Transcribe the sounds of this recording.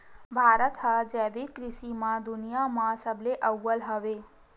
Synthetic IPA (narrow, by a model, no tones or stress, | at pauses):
bʱaɾət̪ɦəd͡ʒɛʋikɾɪʃimãd̪ʊnijamãsəbleʔəwəlɦəʋe